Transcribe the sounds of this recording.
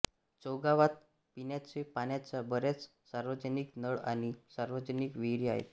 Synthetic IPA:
t͡sowɡaʋat̪̚ | pinjat͡ɕepanjat͡sabəɾat͡s | saɾʋəd͡ʑəniknəɭañisaɾʋəd͡ʑənikʋiɽia̰ɦḛt̪

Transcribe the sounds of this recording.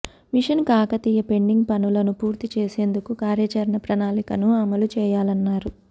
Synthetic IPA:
miʂɐnkaːkɐt̪iːjɐpe̞ɳɖiŋɡpɐnulɐnupuːɾt̪it͡ʃeːse̞ːnd̪ukukaːɾjɐt͡ʃɐɾɳɐpɾɐnaːlikɐnuɐmɐlut͡ʃɛːjaːlɐnːaːɾu

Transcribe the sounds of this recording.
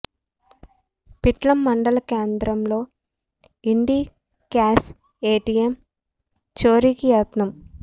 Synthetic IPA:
piʈlɐmːɐɳɖɐlɐkeːnd̪ɾɐmlo̞ː | iɳɖi | kaːs | eːʈiem | t͡ʃoːɾikijɐːt̪nɐm

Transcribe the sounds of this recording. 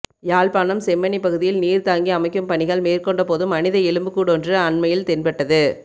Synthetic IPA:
jaːɭpaːnɐmsɛmːɐnipɐɣɯðɪjɪlniːɾt̪aːŋɡiɐmɐɪkːɯmpɐɳɪɣɐɭmeːrkɔɳɖɐpoːðɯmːɐnɪðɐɛɭɯmbɯkːuːɽɔndrɯɐɳmɐjɪlt̪ɪnpɛʈːɐðɯ

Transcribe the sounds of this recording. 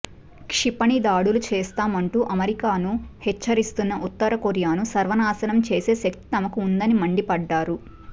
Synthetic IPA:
kʂipɐɳid̪aːɽulut͡ʃɛːst̪aːmɐɳʈuːʔɐmɐɾikaːnuhɛt͡ʃːɐɾist̪unːɐʔut̪ːɐɾɐkoɾjaːnusɐɾʋɐnaːsɐnɐmt͡ʃeːse̞ːsɐk̚t̪i̥t̪ɐmɐkuːnd̪ɐnimɐɳɖipɐɖːaːɾu

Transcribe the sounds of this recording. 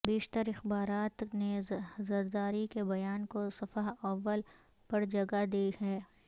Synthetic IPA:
beːʃt̪əɾɪxbaːɾaːt̪nezɐɾd̪aːɾikebɐjaːnkosɐfəɦɐʋːəl | pɐɾd͡ʒɐɡad̪iːhɛː

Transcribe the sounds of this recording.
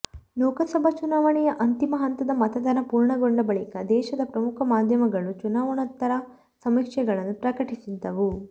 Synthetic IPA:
noːkɐsɐbʱɐt͡ʃunaːʋɐɳijɐʔɐnt̪imɐɦɐnt̪ɐd̪ɐmɐt̪ɐd̪ɐnɐpuːɾɳɐɡoɳɖɐbɐɭikɐd̪ɛːʃɐd̪ɐpɾɐmukʰɐmaːd̪ʱjɐmɐɡɐɭut͡ʃunaːʋɐɳɐt̪ːɐɾɐ | sɐmikʂɐɡɐɭɐnːupɾɐkɐʈisid̪ɐʋu

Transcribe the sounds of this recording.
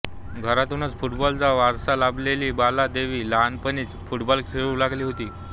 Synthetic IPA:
ɡʱəɾat̪unət͡sfuʈbɔlt͡saʋaɾsalableliːbalad̪eʋiːlanpəniːt͡sfuʈbɔlkʰeɭuːlaɡliːɦot̪iː

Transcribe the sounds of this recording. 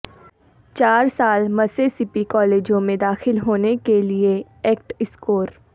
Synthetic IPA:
t͡ʃaːɾsaːlmɐsesɪpikɔːleːd͡ʒõmẽd̪aːxɪlɦoːnekelie | ɛːk̚ʈɪskoːɾ

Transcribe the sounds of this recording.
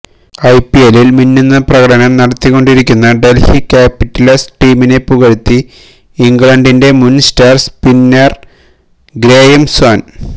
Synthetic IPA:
ɐjpːielilminːinːɐprɐɣɐɽɐnɐmnɐɽɐt̪ːiɣo̞ɳɖiɾikʲːunːɐɖelfikʲaːpiʈːɐlɐsʈiːmine̞puɣɐɻut̪ːi | iŋɡɭɐɳɖinde̞munstaːrspinːɐr | ɡɾeːjɐmswaːn

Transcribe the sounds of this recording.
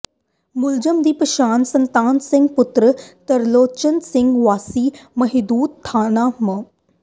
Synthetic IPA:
mʊld͡ʑəmd̪iːpɐʃaːnsɐnt̪aːnsɪ̃ŋɡpʊt̪ɾət̪ɐɾloːt͡ɕənsɪ̃ŋɡʋaːsiːmɐɦɪd̪uːd̪̚t̪ʰːaːnaːmɐ

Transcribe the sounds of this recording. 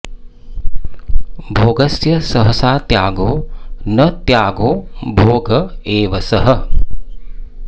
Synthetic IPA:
bʱoːɡɐsjɐsɐɦɐsaːt̪jaːɡoːnɐt̪jaːɡoːbʱoːɡɐeːʋɐsɐɦɐ

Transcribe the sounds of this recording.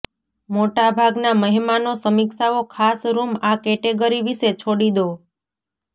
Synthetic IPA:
moʈabʱaɡnaməɦimanosəmikʃaokʰasɾumakɛʈeɡəɾiʋiʃet͡ʃʰoɽid̪o

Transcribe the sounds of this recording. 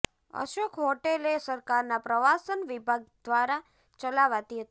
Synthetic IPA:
ə̰ʃokʰɦɔʈelesəɾkaɾnapɾəʋasənʋibʱaɡ̚d̪ʋaɾa | t͡ʃəlaʋat̪iɦət̪i

